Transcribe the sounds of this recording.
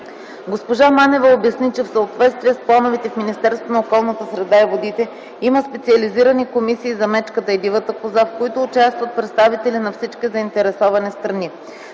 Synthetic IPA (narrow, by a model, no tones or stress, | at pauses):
ɡospoʒamanɛvəobjɐsnit͡ʃɛfsəot̪vɛt̪st̪viɛsplˠanovɛt̪ɛfminist̪ɛɾst̪vonokɔlˠnət̪əsɾɛd̪aivod̪it̪ɛ | iməspɛt̪siɐliziɾənikomisiːzɐmɛt͡ʃkət̪əid̪ivət̪əpozafkoit̪ʊːt͡ʃast̪vət̪̚pɾɛt̪st̪avit̪ɛlinɐfsit͡ʃkʲizɐint̪ɛɾɛsɔvɐnɛst̪ɾɐni